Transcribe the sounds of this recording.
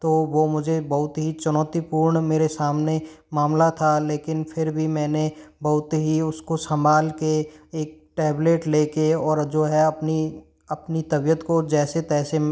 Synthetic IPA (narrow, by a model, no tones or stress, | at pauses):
t̪oːʋoːmʊd͡ʒʱebɐɦʊt̪ɦit͡ʃʊnɔːt̪ipuːɾɳmeːɾesaːmne | maːmlat̪ʰaleːkɪnpʰɪɾbʱimɛ̃ːnebɐɦʊt̪ɦiʊskosɐ̃mbʱaːlkeeːk̚ʈɛːbleːʈleːkeɔːɾd͡ʒoːɦɛɐpni | ɐpnit̪ɐbijət̪kod͡ʒɛːset̪ɛːse